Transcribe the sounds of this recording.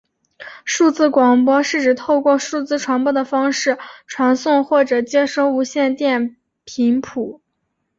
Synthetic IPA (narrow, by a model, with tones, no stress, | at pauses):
ʂu˥˧t͡sɹ̩˥˩kwɑ˨˩ŋpwɔ˥ʂɻ̩˥˩ʈ͡ʂɻ̩˨˩t̪ʰo˥˧ʊkwɔ˥˧ʂu˥˩t͡sɹ̩˥˩ʈ͡ʂʰwa˧˥npwɔ˥˩d̪ə˩fɑ˥ŋʂɻ̩˥˩ʈ͡ʂʰwa˧˥nsʊ˥˧ŋxwɔ˥˩ʈ͡ʂɤ˨˩t͡ɕjɛ˥ʂo˥˩ʊu˧˥ɕjɛ˥˧nt̪jɛ˥˩n | pʰi˧˥ŋpʰu˨˩˦